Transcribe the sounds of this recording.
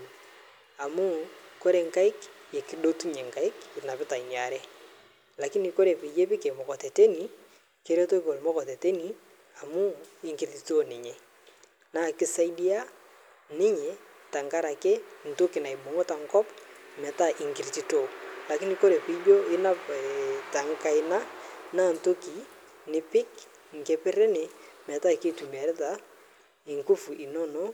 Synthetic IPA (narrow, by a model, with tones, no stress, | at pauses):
a˨mu˦ko˦ɾe˨ŋka˦ɪ˦ke˨ki˨ɗo˦tu˦ɲe˨ŋka˦ɪ˦kɪ˨na˨pɪ˦ta˨i˨nja˨ɾɛ˦ | la˨ki˦ni˨ko˦ɾe˨pi˨je˦pɪ˦ke˨mɔ˨kɔ˨te˨te˦ni˨ | ke˦ɾe˦to˦i˦ko˨lmɔ˦kɔ˨te˨te˦ni˨ | a˨mu˦ɪ˨ŋki˨ɾti˨to˦nɪ˨ɲɛ˨ | naː˦˨kɪ˦sa˦i˦di˦a˦ | nɪ˦ɲɛ˨ | ta˨ŋka˦ɾa˨ke˦n̩˨to˦ki˨na˨i˨bo˨ŋo˦ta˨ŋ˦kɔ˦pmɛ˨ta˦ʔɪ˨ŋkɪ˨ɾti˦to˦la˨kɪ˦ni˨ko˦ɾe˨pi˦d͡ʒo˦ɪ˦na˦pta˨ŋ˦ka˦˨ɪ˨na˦naː˦˨n̩˨to˦ki˨ | nɪ˦pɪ˦k | ŋ̩˨ke˦pɪ˦ɾe˦ne˨mɛ˨ta˦˨ke˦tu˨mɛ˨ɾɪ˦ta˨ | ɪ˨ŋku˦fu˨i˨nɔ˦no˦